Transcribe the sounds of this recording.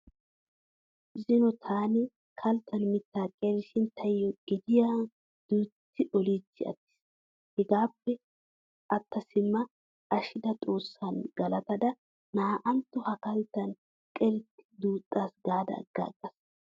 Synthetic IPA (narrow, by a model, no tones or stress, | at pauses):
zɪnɔt̪ʰaːnɪ | kʰɐlt̪ɐnmɪt̪ːaːkʼɛɾɪʃɪnt̪ʰɐjːɔɡɪd̪ɪjaː | d̪̥uːt̪ːɪʔɔlit͡sːɪ̰ɐ̰t̪ːɪ̥s | hɛɡaːpːɛ | ʔɐt̪ːɐsɪmːɐ | ʔɐʃɪd̪ɐt̪ʼo̞ːsːɐnɡɐlɐt̪ɐd̪ɐ | naːʔɐnt̪ːɔhɐkɐlt̪ːɐn | kʼɛɾɪt̪ːɪ̥d̪uːt̪ʼːaːsɡaːd̪ɐ̰ɡ̥ːɐ̰ɡʼːɐs